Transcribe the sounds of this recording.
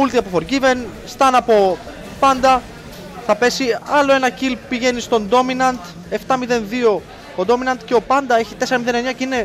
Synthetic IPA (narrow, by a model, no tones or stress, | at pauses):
ult̪iɐpofo̞ɾʝive̞n | st̪ɐnɐpo̞ | pɐnd̪ɐ | θɐpe̞siɐlo̞e̞nɐcilpiʝe̞nist̪o̞nd̪o̞minɐnd̪ | e̞ft̪ɐmiðe̞nðio̞ | od̪o̞minɐnt̪ceo̞pɐnd̪ɐe̞çit̪e̞seɾɐmiðe̞ne̞ɲɐceine̞